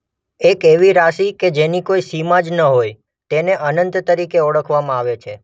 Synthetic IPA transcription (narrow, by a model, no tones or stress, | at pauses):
ekeʋiɾaʃiked͡ʒenikoisimad͡ʒnəɦoj | t̪eneʔənənt̪t̪əɾikeɔɽəkʰʋamãaʋet͡ʃʰe